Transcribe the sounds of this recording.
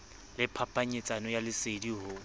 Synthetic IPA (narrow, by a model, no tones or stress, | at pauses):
lɪpʰapʰʼaɲɪt͡sʼanɔjalɪsediɦʊ